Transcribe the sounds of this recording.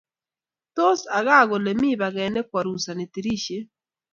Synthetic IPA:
to˦sa˨ɣa˦˨ɣo˨le˨mi˦βa˨ɣɛ˨nɛ˦kwa˨ɾu˨sa˨ne˨ti˨ɾi˦ʃe˦

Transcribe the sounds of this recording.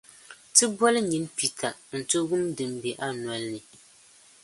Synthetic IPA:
tɨ˦bɔ˦lɨ˦ɲi˨npi˨tʰa˨n̩˨to˦ɡʊ˦mdɨ˨m˦be˨ʔa˦nɔ˦lnɨ˨

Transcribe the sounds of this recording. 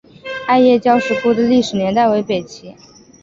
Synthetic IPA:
a˥˧ɪjɛ˥˩t͡ɕjɑ˥ʊʂɻ̩˥˩ku˥˩d̪ə˨li˥˩ʂɻ̩˨˩njɛ˧˥nt̪a˥˩ɪwe˧˥ɪpe˨˩ɪt͡ɕʰi˧˥

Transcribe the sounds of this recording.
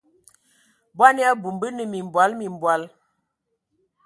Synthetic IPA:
bwa˦nja˦bu˨mbə˦nə˨mi˨m˨bwa˨˦lmi˨m˨bwa˨˦l

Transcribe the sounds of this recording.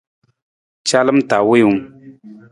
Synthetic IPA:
t͡ʃa˦lɨ˦m̩˦ta˨we˦u˨m

